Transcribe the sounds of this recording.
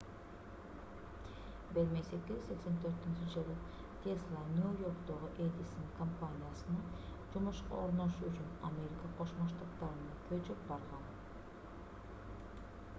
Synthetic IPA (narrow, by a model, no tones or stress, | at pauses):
beɾmesekk̪ʲizse̞kse̞nt̪ʰø̞ɾt̪ynt͡ʃɪʒɯlˠɯ | t̪ʲʰeslˠanʲiojo̞rkt̪oʁɯʔed̪ʲisonkompanʲijasɯnɑ | d͡ʒumuʃqɑ̰oɾnoʃuyt͡ʃynamʲe̞ɾʲikaqʰo̞ʃmoʃt̪ɑt̪ːɑɾɯnɑkʰøt͡ʃyp̚bɑɾʁɑn